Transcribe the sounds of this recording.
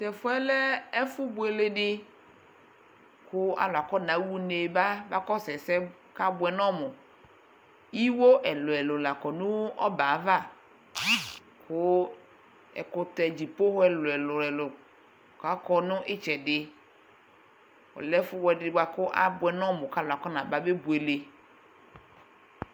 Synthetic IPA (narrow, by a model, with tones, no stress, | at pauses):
t̪ɛ˨fʊ˦ɛ˦lɛ˦ɛ˦fu˦bo˨ɛ˨le˨ɖɪ˦ | kʊ˦a̰˨˦lʊ˨a˨kɔ˦nã˨˦wu˦ne˨ba˦va˦kɔ˦sɛ˨sɛ˦ | ka˦bʊ˨ɛ˨nɔ̃˦mʊ˨ | i˦wo˦ʔɛ˨lʊ˨ɛ˨lʊ˨la˨kɔ˨nũ˦ɔ̰˦ba˨˦va˦˨ | kʊ˦ | ɛ̰˨kʊ˨t̪ɛ˨d͡ʑi˨po˦hɛ˨lʊ˨ɛ˨lʊ˨lɛ˨lʊ˨ | ka˦kɔ˦nʊ̃˦ʔɪ˦t͡ʃɛ˨dɪ˦ | ɔ̰˨lɛ˦fʊ˦wɔ˨ɛ˨dɪ˨ɡ͡ba˨kʊ˦ʔa̰˦bʊ˨ɛ˨nɔ̃˦mʊ̃˨ka˦la˨kɔ˦nã˨ba˦be˦bu˨e˨le˨